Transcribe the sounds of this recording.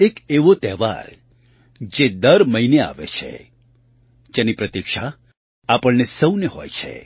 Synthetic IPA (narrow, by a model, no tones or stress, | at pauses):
ekeʋot̪ɛʋa̰ɾ | d͡ʒed̪əɾməɦinea̰ʋḛt͡ʃʰḛ | d͡ʒenipɾət̪ikʃa | apəɭnesəwneɦɔ̰jt͡ʃʰḛ